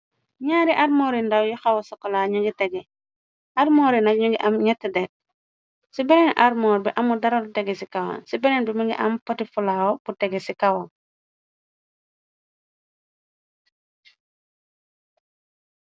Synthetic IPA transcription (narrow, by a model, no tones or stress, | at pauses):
ɲaːɾiʔaɾmoɾindawjuxawosokolaɲuŋɡiteɡe | aɾmoːɾinaɲuɡiʔamɲetːedet̚ | sibenenʔaɾmoːɾbiʔamudaɾauteɡesikawa̰nsibeɾenbimiŋɡḭʔampotifulawob̥uteɡesikawan